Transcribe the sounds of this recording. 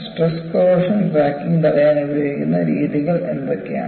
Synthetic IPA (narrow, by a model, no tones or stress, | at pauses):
sʈreskoʋɐʂɐnbaːkːiŋt̪ɐrɐjaːnubijoːikʲːunːɐɾiːðiɣɐɭend̪okːeja̰ː